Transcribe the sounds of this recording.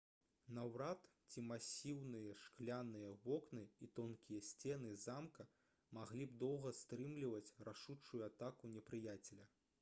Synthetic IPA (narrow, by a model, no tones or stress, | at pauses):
nɐwɾat̪t͡sʲimasʲiwnɨjɐʂklʲanɨjɐvɔknɨit̪ɔnkʲijɐsʲt͡sʲɛnɨzamkɐ | maɣlʲib̚d̪ɔwɣɐst̪ɾɨmlʲivɐt͡sʲraʂut͡ʂːujuat̪akunʲɛpɾɨjat͡sʲɛlʲɐ